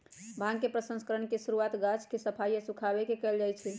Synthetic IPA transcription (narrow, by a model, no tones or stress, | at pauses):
bʱãɡkːepɾəsə̃nskəɾəɳkesuɾuat̪ɡat͡ʃkesəpʰajːəsukʰabekekəld͡ʒajt͡ʃʰi